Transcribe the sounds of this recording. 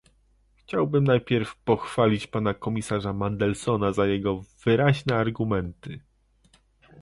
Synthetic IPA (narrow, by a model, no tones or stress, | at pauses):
xt͡ɕawbɘmnajpʲjɛɾfpɔxfalʲit͡ɕpan̪akɔmʲisaʐamand̪ɛlsɔnazajɛɡɔv̥ɘɾaʑnɛaɾɡumɛnt̪ɘ